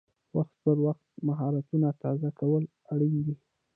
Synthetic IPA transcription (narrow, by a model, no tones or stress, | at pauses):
waxt̪pəɾwaxt̪maɦɑɾat̪unat̪ɑzakawəl | aɽind̪i